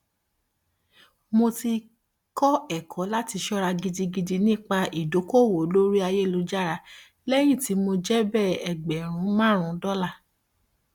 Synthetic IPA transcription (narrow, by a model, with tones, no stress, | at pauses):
mo˧ti˧ | kɔ˦ɛ˦˨kʰɔ̃˨˦la˦ti˧ʃɔ˦ɾa˧ɡi˧di˧ɡi˧di˧nĩ˦k͡pa˧i˨do˨˦ko˦˨wo˨˦lo˦ɾi˦a˧je˦˨lo˨˧d͡ʒa˦˨ɾa˧ | lɛ˦j̃ĩ˦˨ti˨˦mo˧d͡ʒɛ˦bɛ˦˨ɛ˨ɡ͡bɛ˨ɾ̃ũ˨˦mãː˦ɾ̃ũ˧˦dɔ˦la˦˨